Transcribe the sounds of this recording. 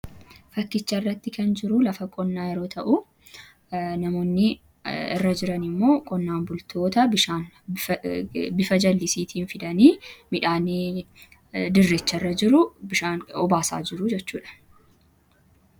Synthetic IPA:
fɐkːɪt͡ʃːɐɪrːɐt̪ːɪkɐnd͡ʒɪɾʊlɐfɐkʼɔnːaːjɛɾo̞ːt̪ʰɐʔʊ | nɐmo̞ːnːɪ | ɪ̰rːɐd͡ʒɪɾɐnɪmːo̞ːkʼɔnːaːnbʊlt̪ʰo̞ːt̪ɐbɪʃaːn | bɪfɐd͡ʒɐlːɪsiːt̪ʰiːnfɪd̪ɐniːmɪᶑaːnɪ | d̪ɪrːet͡ʃːɐɪrːɐd͡ʒɪɾʊbɪʃaːnɔbaːsa̰ːd͡ʒɪɾʊd͡ʒɛt͡ʃːuːᶑɐ̥

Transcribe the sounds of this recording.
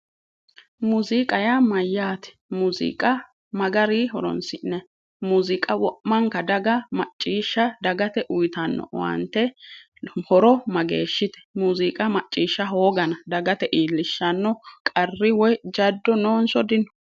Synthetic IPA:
muzɪkʼɐjamɐjːaːt̪ɛ̥muːzɪ̰kʼɐ | mɐɡɐɾiɦɔɾɔ̰nsɪnːɛ | muːzɪkʼɐwɔʔmːɐŋkɐd̪ɐɡɐmɐt͡ʃʼːiːʃːɐd̪ɐɡɐt̪ɛʔʊjt̪ɐnːɔ̰wɐ̰nt̪ːɛ | hɔɾɔmɐɡḛːʃːɪt̪ɛ̥muːzɪkʼɐmɐt͡ʃʼːiːʃːɐɦoːɡɐnɐd̪ɐɡɐt̪ɛʔiːlːɪʃːɐnːɔkʼɐrːɪwɔjd͡ʒɐd̪ːɔnoːnsɔd̪ɪnɔ̥

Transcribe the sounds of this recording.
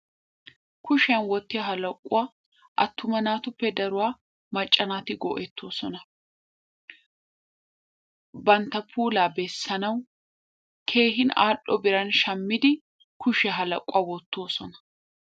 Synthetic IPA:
kʊʃɐnwɔt̪ːɪjɐɦɐlɐkʼːʊa | ʔɐt̪ːʊmɐnaːt̪ʊpːɛd̪ɐɾʊwaː | mɐt͡ʃʼːɐnaːt̪ɪɡɔ̰ʔɛt̪ʰːo̞ːsɔnɐ | bɐnt̪ɐpʰuːlaːbɛsːɐnɐw | kʰe̞ːɦɪna̰ːʔɔbɪɾɐnʃɐmːɪd̪ɪ | kʊʃɛɦɐlɐ̰kʼːʊawɔt̪ːo̞ːsɔnɐ̥

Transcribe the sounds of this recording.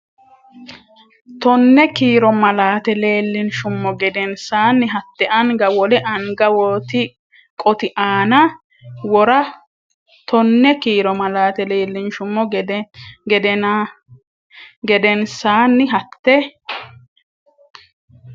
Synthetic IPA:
t̪ɔnːɛkiːɾɔmɐlaːt̪ɛle̞ːlːɪnʃʊmːɔɡɛd̪ɛnsaːnːɪɦɐt̪ːɛʔɐŋɡɐwɔlɛʔɐŋɡɐwɔt̪ɪ | kʼɔt̪ɪʔaːnɐ | wɔɾɐ | t̪ɔnːɛkiːɾɔmɐlaːt̪ɛleːlːɪnʃʊmːɔ | ɡɛd̪ɛn | ɡɛd̪ɛnsaːnːɪɦɐt̪ːɛ

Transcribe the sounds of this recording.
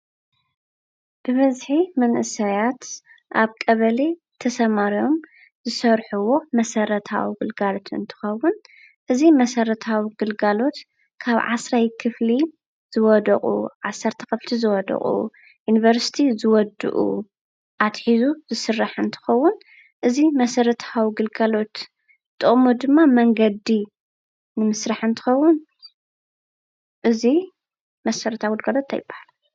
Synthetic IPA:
b̥ɨβɐzħimɐnʔɨsajat̪ | ʔaβkʼɐβɐle | t̪ʰɐsɐmaɾio̞m | zɨsɐɾħuwo̞mɐsɐɾɐt̪ʰa̰wiɡɨlɡalo̞t̪ɨ̰nt̪ʰɨ̥xɐwːʊn | ʔɨzimɐsɐɾɐt̪ʰawiɡɨlɡalo̞t̪ | kʰaβʕa̰sɾajkʰɨfli | z̥ɨwɔd̪ɐqʼṵʕasːɐɾt̪ʰɐ̥kɐflt̪ʰizɨwɔd̪ɐ̰χʼṵ | junivɐɾsi̥t̪ʰizɨwɔd̪ɨ̰ʔṵ | ʔat̪ħizuzɨsɨrːaħɨnt̪ʰɨ̥xɐwːun | ʔɨzimɐsɐɾɐt̪ʰawiɡɨlɡalo̞t̪ | t̪ʼɨχʼmud̪ɨmːamɐŋɡɐd̪i | nɨmɨsɾaħɨnt̪ʰɨ̥xɐwːun | ʔɨzi | mɐsɐɾɐt̪ʰawɡɨlɡalot̪ːʰajɪbːḁhala

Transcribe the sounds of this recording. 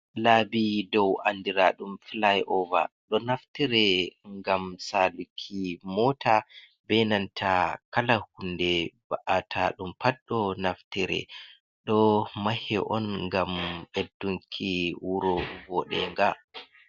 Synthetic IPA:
laːbidɔwandiɾaɗumflajʔɔva̰ɗɔnaftiɾɛŋɡamsalukʰːimɔtʰa | bɛnantʰakalahundɛba̰ʔatʰaɗumpaɗːɔnaftiɾɛ̰ | ɗɔmahɛʔɔnŋɡamʔedːuŋkʰiwuɾɔvɔɗɛŋɡa

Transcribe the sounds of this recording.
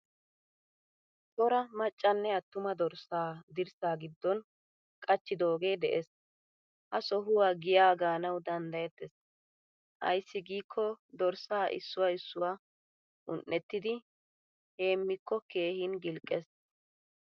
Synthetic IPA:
tʼɔɾɐmɐt͡ʃʼːɐnːɛɐt̪ːʊmɐd̪ɔɾsaːd̪ɪɾsaːɡɪd̪ːɔn | kʼɐt͡ʃːɪd̪o̞ːɡe̞ːd̪ɛʔes | ʔɐsɔɦʊwaːɡɪjaːɡaːnɐwd̪ɐnd̪ɐjɛt̪ːɛs | ʔɐ̰jsːɪɡiːkʰːɔd̪ɔɾsaːʔɪ̰sːʊwɐɪsːʊwaː | ʔʊnʔːɛt̪ːɪd̪ɪ | he̞ːmːɪkʰːɔke̞ːhɪnɡɪlkʼːɛs

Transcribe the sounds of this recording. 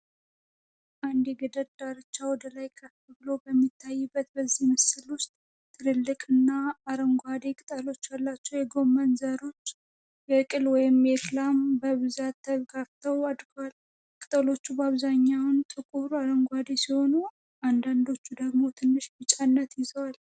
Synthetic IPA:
ʔand̪jɛɡəd̪əd̪aɾɨt͡ʃːawɔd̪əlajkʼʰəfbəbɨlo̞bəmːit̪ʰːajːɨbːət̪bəzːihməsɨlwʊst̪ʼ | t̪ʰːɨɾɨlːɨkʼɨnːaːɾəŋɡʷad̪ekʼɨt̪ʼəlo̞t͡ʃːalːat͡ʃːɛwjɛɡo̞mːənzəɾo̞t͡ʃː | jɛkʼɨlwɔjɪmjɛkɨlambəβɨzat̪ːəβɡaft̪ʰəwad̪ɡwal | kʼɨt̪ʼəlo̞t͡ʃːubaβzaɲːawnt̪ʼɨkʼuɾaɾəŋɡʷad̪e̞siho̞nu | and̪and̪o̞t͡ʃːud̪əɡmo̞t̪ʰɨnːɨʃbɨt͡ʃʼanːət̪jɪzəwal

